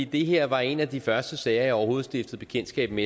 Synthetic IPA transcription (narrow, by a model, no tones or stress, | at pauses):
id̥e̝ɦeɐ̰ʋɑ̈e̝næd̥ifɶɐsd̥əsɛɪɐjɒʊɐho̝ːð̩ˠsd̥ifd̥ð̩ˠb̥e̝kʰen̰̥sɡ̥ɛ̰ːb̥me